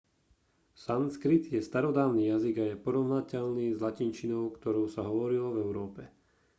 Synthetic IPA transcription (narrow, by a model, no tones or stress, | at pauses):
sanskɾit̪jɛst̪aɾɔd̪aːʊniːjaziɡajɛpɔɾɔʊnacɛʎniːzlacint͡ʃinɔʊkt̪ɔɾɔʊsaɦɔʋɔɾilɔvɛʊɾɔːpɛ